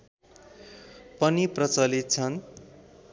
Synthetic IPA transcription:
pʌniprʌt͡sʌlit̪̚t͡sʰʌn

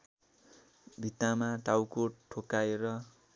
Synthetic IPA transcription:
bʱit̪amaʈawkoʈʰokaeɾʌ

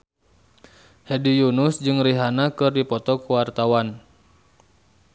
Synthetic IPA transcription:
hɛdijunʊsd͡ʒɨŋriɦanakɨrdipɔt̪ɔkuwart̪awan

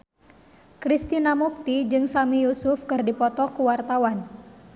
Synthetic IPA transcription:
kɾist̪inamuk̚t̪id͡ʒɨŋsamijusʊfkɨrdipɔt̪ɔkuwart̪awan

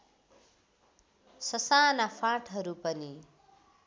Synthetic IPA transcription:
sʌsaːnapʰaʈʰɦʌɾupʌni

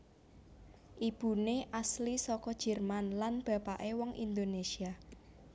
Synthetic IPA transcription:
ʔib̥ṳneʔaslisɔkɔd̥ʒ̥ɛ̤rmanlanb̥ä̤paʔewɔŋʔḭnd̪onesia

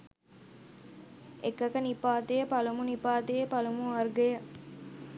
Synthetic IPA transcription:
ekːɐkənipaːt̪ejəpɐlumunipaːt̪ejəpalumuɐrɡɐjə

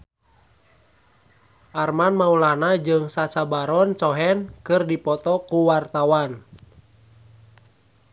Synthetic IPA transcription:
ʔarmanmaulanad͡ʒɨŋsat͡ʃabaɾɔnt͡ʃɔɦɛnkɨrdipɔt̪ɔkuwart̪awan

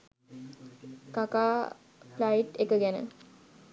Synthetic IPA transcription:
kakaː | plaiʈekəɡænə̰

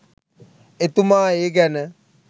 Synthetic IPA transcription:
et̪umaːeːɡænə

